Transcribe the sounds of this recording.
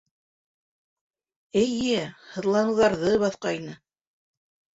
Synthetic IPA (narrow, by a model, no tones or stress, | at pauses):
ɘ̆jɘhɤ̆ðlˠɑnɤ̆wðɑɾðɤβɑθqɑjnɤ